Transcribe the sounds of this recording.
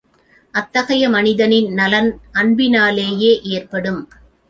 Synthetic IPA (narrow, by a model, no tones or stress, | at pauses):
ʔɐt̪ːɐɣɐjɐmɐnɪðɐnɪnnɐlɐnɐɳbɪnaːleːjeːʔeːrpɐɽɯm